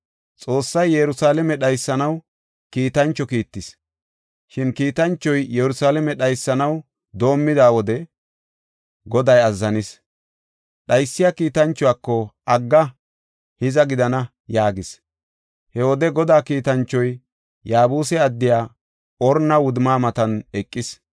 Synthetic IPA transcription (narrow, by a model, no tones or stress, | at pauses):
t͡sʼo̞ːsːɐjːɛɾʊsaːlɛmɛɗɐjsːɐnɐw | kiːt̪ɐnt͡ʃːɔkiːt̪ːɪs | ʃɪnkiːt̪ɐnt͡ʃːɔjjɛɾʊsaːlɛmɛɗɐjsːɐnɐw | d̪o̞ːmːɪd̪aːwɔd̪ɛ | ɡɔd̪ɐjɐzːɐnɪs | ɗɐjsːɪjakiːt̪ɐnt͡ʃːɔwaːkːɔɐɡːɐ | hɪzɐɡɪd̪ɐnɐ | jaːɡɪs | hɛwɔd̪ɛɡɔd̪aːkiːt̪ɐnt͡ʃːɔj | jaːbuːsɛɐd̪ːɪjaː | ɔɾnːɐwʊd̪maːmɐt̪ɐnɛkʼːɪs